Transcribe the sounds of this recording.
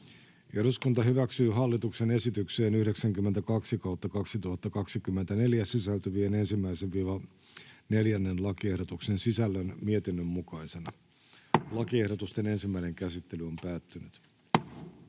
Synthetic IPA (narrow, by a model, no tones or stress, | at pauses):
eɾuskunt̪ɑɦyʋæksyːɦɑlːit̪uksene̞sit̪ykseːnyhɾeksæŋkymːent̪ækɑksikɑwt̪ːɑkɑksit̪uhɑt̪ːɑkɑksikymːent̪æne̞ljæsisælt̪yʋiene̞nsimːæiseʋʋiːʋɑ | ne̞ljænːe̞nlɑkiehdot̪uksensisælːønmiet̪inːømːukɑisenɑ | lɑkie̞hɾot̪ust̪e̞ne̞nsimːæine̞ŋkæsit̪ːe̞lyo̞mpæːt̪ːynyt̪